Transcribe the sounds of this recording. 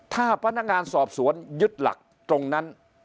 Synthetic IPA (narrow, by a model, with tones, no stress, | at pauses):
t̪ʰaː˥˩pʰa˧˥nːa˦˥k̚ŋaː˧nsɔː˨˩p̚su˩˦ənju˦˥t̪̚la̰˨˩k̚ | t̪ɾo˧ŋna˦˥n